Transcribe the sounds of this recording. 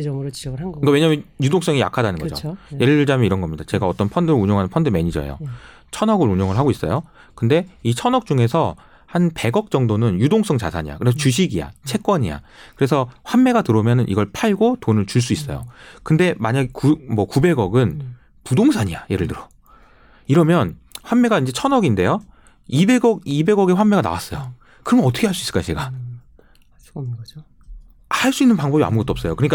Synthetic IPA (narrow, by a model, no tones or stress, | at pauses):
t͡ɕiʌɡɯɯkawe̞ɲamjʌnjudoŋs͈ʌŋija̰kʰadanɯnɡʌd͡ʑo̰jeɾɯɭɯɭd͡ʑamjʌiɾʌnɡʌmɲidat͡ɕe̞ɡaʌt͈ʌnpʰʌndɯɾɯuɲjoŋɦanɯnpʰʌndɯme̞ɲid͡ʑʌ̰ḛjo̰ | t͡ɕʰʌnʌɡɯɾuɲoŋɯɭɦaɡois͈ʌjo | kɯnde̞it͡ɕʰʌnʌk̚t͡ɕ͈uŋe̞sʰʌ | hanpe̞ɡʌk̚t͡ɕ͈ʌŋdonɯnjudoŋs͈ʌŋt͡ɕasʰaɲija̰kɯɾe̞s̬ʰʌt͡ɕuɕʰiɡia̰t͡ɕʰe̞k͈wʌɲia̰kɯɾe̞sʰʌɸwanmːe̞ɡatɯɾomjʌnɯnʔḭɡʌɭpʰaɭɡotonɯɭt͡ɕuɭs̬͈uis͈ʌjo̰kɯnde̞maɲaɡekumʌkube̞ɡʌɡɯn | pudoŋsʰaɲijaje̞ɾɯɭtɯɾʌ | iɾʌmjʌn | ɸwanme̞ɡaind͡ʑe̞t͡ɕʰʌnʌɡinde̞jo | ibe̞ɡʌɡibe̞ɡʌɡe̞ɸwanme̞ɡana̰was͈ʌjo | kɯɾʌmjʌnʌtʰʌkʰeɦaɭs͈uisɯɭ̥kajot͡ɕe̞ɡa | haɭs͈uinːɯnpaŋbʌbia̰muɡʌt͈oʌp̚s͈ʌjokɯɲik͈a